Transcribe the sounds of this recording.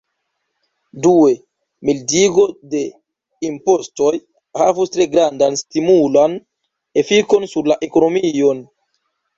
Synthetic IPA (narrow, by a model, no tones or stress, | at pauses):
due̞ | mildiɡo̞de̞ | impo̞sto̞j | havustɾe̞ɡɾandanstimulan | e̞fiko̞nsuɾlaʔe̞ko̞no̞mio̞n